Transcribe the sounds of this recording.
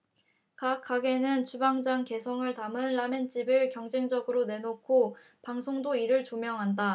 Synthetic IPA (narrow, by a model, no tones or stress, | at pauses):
kak͈ʰːaɡe̞nɯnt͡ɕubaŋd͡ʑaŋke̞sʰʌŋɯɭtamɯnɭame̞nt͡ɕ͈ibɯɭkjʌŋd͡ʑe̞ŋd͡ʑʌɡɯɾone̞nokʰo | paŋsʰoŋdoiɾɯɭt͡ɕomjʌŋɦanda